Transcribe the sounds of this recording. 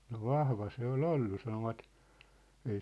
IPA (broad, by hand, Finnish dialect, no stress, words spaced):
no ʋɑhʋɑ se ol olːu sɑnoʋɑt ei